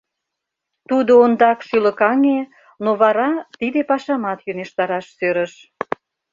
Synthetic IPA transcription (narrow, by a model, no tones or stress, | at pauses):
t̪ud̪oond̪ɑkʃylə̆kɑŋe | noβɑɾɑt̪id̪epɑʃɑmɑt̪jøneʃt̪ɑɾɑʃsøɾəʃ